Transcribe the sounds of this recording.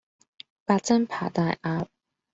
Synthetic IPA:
pa˧˩t͡sa˥npʰa˨˩t̪a˥˧˩ʔa˧p̚

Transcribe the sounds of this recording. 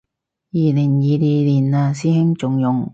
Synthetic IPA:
jiː˨lɪ˨˩ŋjiː˨˧liː˨liː˨˩naː˧siː˥hɪ˥ŋt͡sʊ˨ŋjʊ˨ŋ

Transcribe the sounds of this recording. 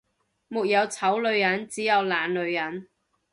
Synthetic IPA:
mʊ˨k̚jɐ˨˧wt͡sʰɐ˨˥wlɵ˨˧ɥjɐ˨˥nt͡siː˨˥jɐ˨˧wlaː˨nlɵ˨˧ɥjɐ˨˥n

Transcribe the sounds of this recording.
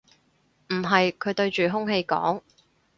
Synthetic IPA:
m̩˨˩ɦɐ˨jkʰɵ˨˧ɥt̪ɵ˧ɥt͡ʃyː˨ɦʊ˥ŋhe˧jkɔ̰ː˨˥ŋ

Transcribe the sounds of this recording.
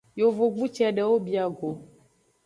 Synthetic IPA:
jo˨vo˨ɡ͡bu˦t͡ʃɛ˦a˨ɖɛ˨wo˦bi˨a˨ɡo˨

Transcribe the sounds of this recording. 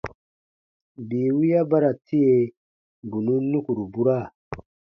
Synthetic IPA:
bi˨wi˦ja˦ba˦ɾa˨tʰi˦je˨ | bu˨nu˦nu˦ku˨ɾu˨bu˦ɾa˦˨

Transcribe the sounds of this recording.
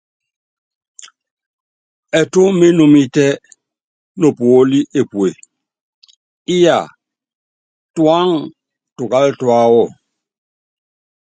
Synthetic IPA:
ɛ˨to˦me˦no˨mi˦tɛ˦ | no˨po˦li˦ʔe˨pwe˨ | i˦ja̰˨ | twa˦ŋ | tu˨ka˦ltwa˦wɔ˦˨

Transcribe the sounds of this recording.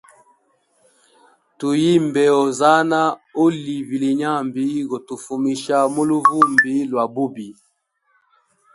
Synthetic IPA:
tu˨ji˦m˨bɛ˨ɔ˨za˦na˦o˦li˨vi˨li˨ɲa˦˨mbi˦ɣo˨tu˨fu˨mi˨ʃa˦mo˦lu˦vu˦˨mbi˦lwa˨bu˦bi˨

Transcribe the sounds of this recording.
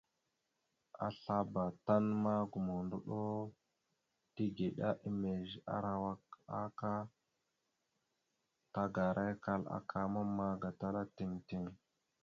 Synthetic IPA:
a̰˨ɬa˦ba˨ta˦nma˦ɡu˨mo˨ndu˨ɗo˦ | ti˦ɡe˨ɗa˦ʔi˦me˨ʒa̰˦ɾa˨wa˦ka˦ka˦ | ta˦ɡa˨ɾʔa˦jka˦la̰˦kʰa˦ma˦mːa˦ɡa˨ta˦la˦ti˨ŋti˦ŋ

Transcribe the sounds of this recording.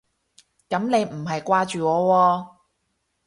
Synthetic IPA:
kɐ˨˥mne˨˧jm̩˨˩ɦɐ˨jkʷaː˧t͡ʃyː˨ŋɔː˨˧wɔː˧

